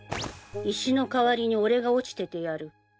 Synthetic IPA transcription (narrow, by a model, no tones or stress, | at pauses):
iɕino̞kaβaɾʲiɲ̟io̞ɾe̞ɡao̞t͡ɕi̥t̪e̞t̪e̞jaɾɯ̟